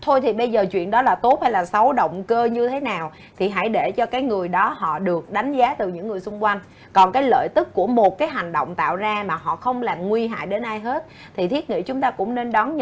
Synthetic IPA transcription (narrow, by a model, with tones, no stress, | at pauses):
t̪ʰo˧jt̪ʰi˨˩ɓə˧jzəː˨˩t͡ɕwḭ˧˨ənɗɔ˨˦laː˨˩t̪o˦˥p̚ha˧jlaː˨˩sə˨˦wɗə̰˧˨wŋ͡mkəː˧ɲɨ˧t̪ʰe˨˦naː˨˩w | t̪ʰi˨˩ɦa̰˧˥˩jɗe˧˩t͡ɕɔ˧kaː˨˦jŋɨ˨˩əjɗɔ˨˦ɦɔ̰˧˨ɗɨ˨˩ək̚ɗa˨˦ŋ̟zaː˨˦t̪ɨ˨˩ɲɨ̰˧˥ŋːɨ˨˩əjsʊ˧ŋ͡mkwa˧jŋ̟ | kɔ˨˩nkaː˨˦jlə̰ː˧˨jt̪ɨ˦˥kːu˧˩əmo˨˩t̚kaː˨˦jɦa˨˩jŋ̟ɗo̰˧˨wŋ͡mt̪a̰ː˧˨wzaː˧maː˨˩ɦɔ̰˧˨xə˧wŋ͡mlaː˨˩mŋwi˧ɦa̰ː˧˨jɗe˨˦nʔaː˧jɦe˦˥t̚ | t̪ʰi˨˩t̪ʰi˦˥ət̚ŋḭ˧˥t͡ɕʊ˨˦ŋ͡mt̪aː˧kʊ̰˧˥ŋ͡mne˧nɗɔ˨˦nɲ